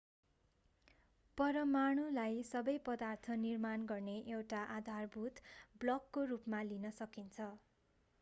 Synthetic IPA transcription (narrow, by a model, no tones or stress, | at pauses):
pʌɾʌmaɽ̃ulajsʌbʌjpʌd̪art̪ʰʌnirmanɡʌrneʔewʈaʔad̪ʱarbʱut̪blʌkːorupmalinʌsʌkint͡sʰʌ